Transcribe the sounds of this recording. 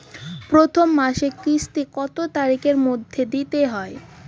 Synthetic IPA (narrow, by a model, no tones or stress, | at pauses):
pɾot̪ʰomːaʃekɾiʃʈikɔt̪ot̪aɾikeɾmod̪ʱːed̪it̪eɦɔe